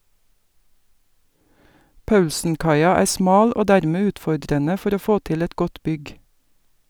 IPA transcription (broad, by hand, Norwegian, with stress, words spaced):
ˈpɑʉlsn̩ˌkɑɪɑ ˈæːɾ ˈsmɑːl ˈoː ˈdæːɾmeː ˈʉːtfɔɖɾənə ˈfɔɾ ˈoː ˈfoː ˈtɪl ˈɛt ˈɡɔt ˈbʏɡ